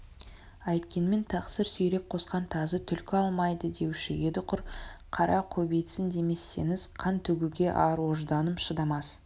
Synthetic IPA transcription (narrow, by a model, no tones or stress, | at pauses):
ɑjt̪kʲe̞nme̞nt̪ʰɑqsəɾsɵjɾe̞p̚qʰo̞sqɑnt̪ʰɑzət̪ʰʏlkʲɪɑlˠmɑjd̪əd̪e̞wʃɪjed̪ɪqʰʊɾqʰɑɾɑqʰɵbejt̪sɪnd̪e̞me̞sːe̞̰nɪzqʰɑnt̪ʰɵɡʲɪɡʲe̞ʔɑɾwoʒd̪ɑnəpʃəd̪ɑmɑs